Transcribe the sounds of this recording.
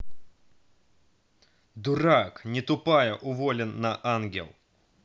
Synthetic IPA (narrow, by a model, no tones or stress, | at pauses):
d̪ʊɾaknʲɪt̪ʊpajəʔʊvɔlʲɪnːɐʔanɡʲɛ̰lˠ